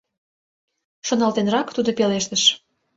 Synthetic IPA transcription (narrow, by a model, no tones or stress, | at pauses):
ʃonɑlt̪enrɑkt̪ud̪opeleʃt̪əʃ